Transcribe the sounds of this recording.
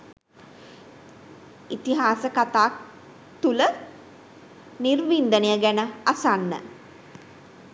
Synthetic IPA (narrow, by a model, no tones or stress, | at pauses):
it̪iɦaːsəkat̪aːk̚ | t̪ulə | nirʋind̪ənejəɡænəasanːə̰